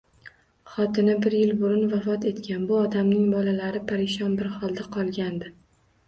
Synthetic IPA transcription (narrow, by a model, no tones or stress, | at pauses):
χɒt̪ɪnɪbɪɾjɪlbʊɾʊnvafɒt̪e̞t̪kʲʰanbʊɒd̪amnɪŋbɒlalaɾɪpʰaɾɪʃɒnbɪɾχɒlˠd̪aqʰɒlˠɡʲand̪ɪ